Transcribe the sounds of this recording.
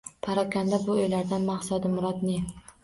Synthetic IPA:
pʰaɾɒkʰʲand̪abʊojlaɾd̪anmaχsad̪ɪmʊɾɒd̪ne

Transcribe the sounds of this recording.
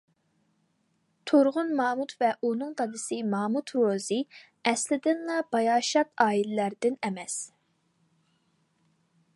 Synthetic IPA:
t̪ʰoɾʁʊnmɑːmut̪vɛʔunɨŋqʰɑd̪ɨsɨmɑːmut̪ʰɾozɨ | ɛslɪd̪ɪnlɑbɑjɑːʃɑt̪ɑːilɪlæɾd̪ɪnɛmɛs

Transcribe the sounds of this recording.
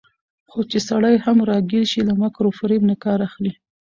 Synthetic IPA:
xot͡ʃesaɽajhamɾɑɡeɾʃilamakɾofɾemnakɑɾaxli

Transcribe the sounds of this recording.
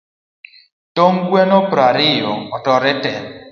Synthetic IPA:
toŋɡwenɔpɾaɾɪjɔ̰ɔtɔɾɛtɛn

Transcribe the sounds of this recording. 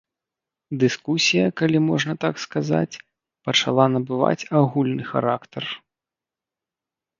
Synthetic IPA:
d̪ɨskusʲijɐkalʲimɔʐnɐt̪akskaza̰t͡sʲ | pɐt͡ʂa̰lˠanɐbɨva̰t͡sʲaɣulʲnɨxa̰ɾakt̪ɐr

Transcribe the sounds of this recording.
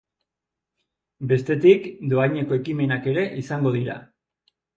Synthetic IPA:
be̞st̪e̞t̪ikd̪o̞ajɲe̞ko̞e̞kime̞nake̞ɾe̞ʔisaŋɡo̞ðiɾa̰

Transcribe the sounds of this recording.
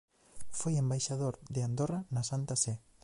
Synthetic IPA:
fojembajʃaðoɾðeand̪oranɐsant̪asɛ

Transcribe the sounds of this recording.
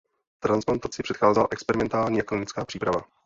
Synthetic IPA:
t̪ɾansplant̪at͡sɪr̥ɛt̪xaːzɛla̰ʔɛkspɛɾɪmɛnt̪aːlɲiːjaklɪnɪt͡skaːpr̥iːpɾava

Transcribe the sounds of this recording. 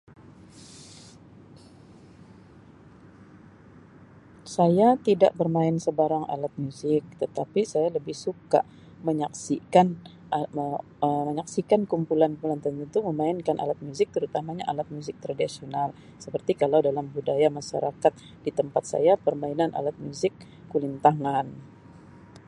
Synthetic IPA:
sajat̪ida̰ʔbərmaɪnsəbaɾaŋa̰lat̪̚muzɪk̚t̪ət̪apisajaləbɪhsuka̰ | məɲaksikan | ə | əməɲaksikankumpulankumulant̪ənt̪ənt̪uməmaɪnkanʔa̰lat̪̚muzɪk̚t̪əɾut̪amaɲa̰ʔalat̪̚muzɪk̚t̪ɾadisional | səpərt̪ikalawdalamhudajamaʃa̰ɾʔakat̪̚ | dit̪əmpat̪̚sa̰japərmainanʔa̰lat̪̚muzɪkː | ulint̪aŋan

